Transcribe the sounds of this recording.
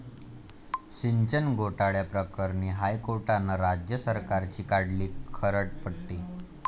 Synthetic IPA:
ɕiɲt͡ɕənɡʱoʈaɭjapɾəkəɾniːɦajkoɾʈanːəɾad͡ʑjəsəɾkaɾt͡ɕiːkaɽliːkʰəɾəʈ̚pəɽʈiː

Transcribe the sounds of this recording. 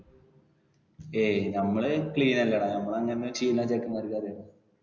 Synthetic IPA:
eːnɐmːɐɭɨkɭiːnɐlːɐɽanɐmːɐɭɐŋːɐneɨt͡ɕijːunːaːt͡ɕekːɐmaɾkːaːɾɐɽɐ

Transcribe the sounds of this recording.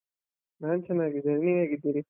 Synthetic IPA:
naːnt͡ʃɐnːaːɡid̪ʱɐɾniʋaːɡid̪ːiːɾi

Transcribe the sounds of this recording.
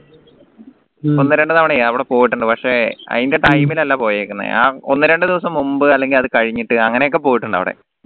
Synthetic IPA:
onːɨɾe̞ɳɖɨt̪ɐʋɐɽeɐʋiɽepo̞ːjiʈːuɳɖɨpɐkʂe̞ɐ̰ðinde̞ʈɐjmilɐlːapo̞ːjeːkːunːɐ̰aːonːɨɾe̞ɳɖɨd̪iʋɐsɐmːumbɨɐlːe̞ŋɡilɐðɨkɐɻiɲːiʈːɨɐŋːɐne̞jo̞k̬ːe̞po̞ːjiʈːuɳɖa̰ʋḭɽḛ

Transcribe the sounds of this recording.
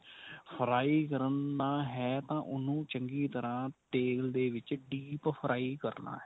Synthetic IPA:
pʰəɾaːiːkəɾnaːɦɛːt̪ãːʔʊnũːt͡ʃəŋɡiːt̪əɾãːʈeːld̪eːʋɪt͡ʃɖiːppʰɾʔaːiːkəɾna̰ːɦɛː

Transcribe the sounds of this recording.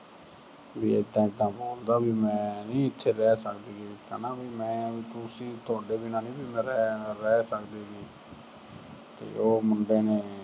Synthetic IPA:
biːɪd̪ãːɪd̪ãːboːld̪aːbiːmɛ̃ːnĩːɪt̪ʰːeːɾɛːsəkd̪eːɡiːɪt̪ːãːnaːbiːmɛ̃ːt̪ʊsĩːt̪ʊaːɖeːbɪnãːnĩːbiːmɛ̃ːɾɛɾɛːsəkd̪eːɡiː | t̪ḛːoːmʊɳɖeːneː

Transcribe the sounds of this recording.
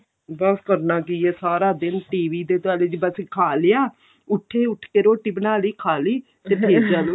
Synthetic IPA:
bəskəɾnaːkiːɛːsaːɾaːd̪ɪnʈiːʋiːd̪eːt̪ʊaːleːd͡ʒibəskʰaːlɪjaː | ʊʈʰːeːʊʈʰkeːɾoːʈːiːbənaːliːkʰaːliː | t̪eːpeːɾd͡ʒaːloː

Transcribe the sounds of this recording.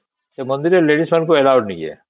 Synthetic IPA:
semɐ̃nd̪ɪɾeleːɖismɐnkoeːlaːʋəʈnɐĩɛ̰ː

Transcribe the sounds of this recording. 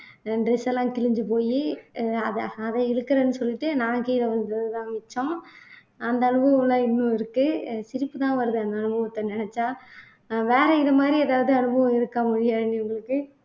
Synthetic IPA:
ɖɾɛsɛlːãːkɪɻɪɲd͡ʒɯpoːjiɐðɐðɐɪɻɯkːɐɾɐnːɯsɔlːɪʈːɯnãːkiːlɛʋɐnd̪ɾɐðɯt̪ãːʋɪt͡ʃːõ | ɐnd̪ɐːɳɯbɐʋɐ̃mlãːɪnːʊ̃ɪɾɯkːɯsɪɾɪpːɯt̪ãːʋɐɾɯðɯɐnd̪ɐːnɯbɐʋɐt̪ːɐnɪɳɛt͡ʃːaː | ʋeːɾɐɪðɐmaːd̪ɾiɛðaːʋɐðɯɐnɯbʱɐʋɐ̃ɪɾɯkːɐmʊɻɪjaːɪnːiʊŋɡɐɭɯkːɯ

